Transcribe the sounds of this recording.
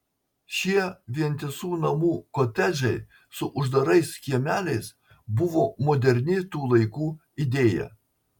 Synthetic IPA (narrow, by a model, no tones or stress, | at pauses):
ʃʲiɛʋʲiɛnʲt̪ʲɪsuːnɐmuːkot̪ʲæd͡ʒʲɛɪ | sʊʔʊʒd̪ɐɾɐɪskʲiɛmʲæːlʲɛɪs | bʊʋoːmoːd̪ʲɛɾʲnʲɪt̪uːlˠɐɪkuː | ɪd̪ʲeːjɛ̰